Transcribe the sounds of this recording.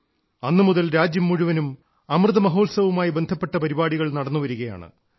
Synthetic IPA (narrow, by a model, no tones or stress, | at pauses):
ɐnːɨmuðɐlɾaːd͡ʑjɐmːuɻuʋɐnum | ɐmrɨðɐmɐɦo̞ːlsɐʋumaːjibe̞nd̪ʱɐpːe̞ʈːɐpɐɾibaːɽiɣɐɭnɐɽɐnːuʋɐɾuɣɐja̰ːɳɨ̰